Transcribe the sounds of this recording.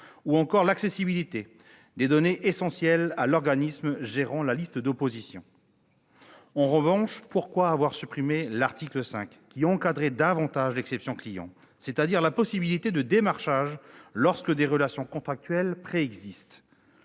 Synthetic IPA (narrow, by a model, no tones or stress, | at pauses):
uɑ̃kɔʁlaksesibilit̪e | d̪ed̪ɔneʔesɑ̃sjɛlalɔʁɡanismʒeʁɑ̃lalist̪əd̪opozisjɔ̰̃ | ɑ̃ʁəvɑ̃ʃpuʁkwaːvwaʁsypχimelaʁt̪ikləsɛ̰̃k | kʲːiɑ̃kad̪ʁɛd̪avɑ̃t̪aʒlɛksɛpsjɔ̃klijɑ̰̃ | set̪ad̪iʁlapɔsibilit̪ed̪əd̪emaʁʃaʒlɔʁskəd̪eʁəlasjɔ̃kɔ̃t̪χak̚t̪ɥɛlpχeɛɡzist̪